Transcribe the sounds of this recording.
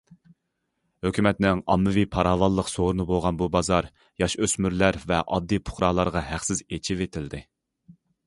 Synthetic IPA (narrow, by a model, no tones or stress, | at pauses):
høkʲʰymɛt̪nɪŋɑmːɨvipʰɑɾɑːvɑlˠːəqsoɾɨnɨboʁɑnbubɑzɑɾ | jɑʃøsmyɾlæɾvɛʔɑd̪ːijpʰʊ̥χɾɑːlˠɑɾʁɑɦæχsɪzet͡ʃʰivet̪ʰɪld̪ɪ